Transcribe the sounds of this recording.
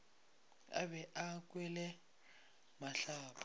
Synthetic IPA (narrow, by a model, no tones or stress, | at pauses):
a̰bɛʔakʼwɛlɛ | maɬaːpʰa